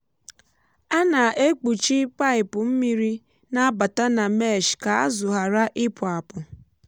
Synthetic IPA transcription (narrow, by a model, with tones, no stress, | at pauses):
a˦na˨ʔe˦k͡pu˨t͡ʃi˦pa˦ɪ˨pʊ˨m̩˦mi˦ɾi˦ | na˦ba˨ta˦na˨me˦˨ʃka˨a̰˦zʊ˨ɦa˨ɾa˦ʔɪ˦pʊ˨a˨pʊ˨